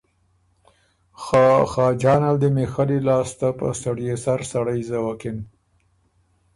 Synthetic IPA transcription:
xɑxɑd͡ʒɑnald̪əmexalilɑst̪apə̰saɽjesaɾsaɽajzawakɪn

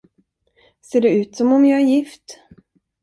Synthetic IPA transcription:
seːɖɛʉ̟ːt̪sɔmɔmjɑːæɾjɪft̪

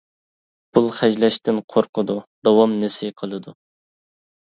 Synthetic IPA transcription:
b̥ulˠχɛd͡ʒlɛʃt̪ɪnqʰoɾqəd̪ud̪̥ɑwɑmnɪsɪqʰəlˠɨd̪u

